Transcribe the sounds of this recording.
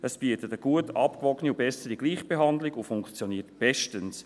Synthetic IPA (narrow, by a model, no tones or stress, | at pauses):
ʔəsb̥iətətəɡ̥uətʰɑpkʋɔɡəniʊbɛsədiɡliːχb̥eɦɑndlɪɡʊfʊŋkt͡sjɔniːtb̥ɛʃtəns